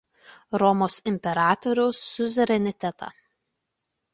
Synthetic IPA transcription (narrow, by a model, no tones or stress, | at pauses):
ɾɔmoːsɪmʲpʲɛɾɑːt̪ɔɾʲʊʊsːʊzʲɛɾʲɛnʲɪt̪ʲɛt̪ɑ̰ː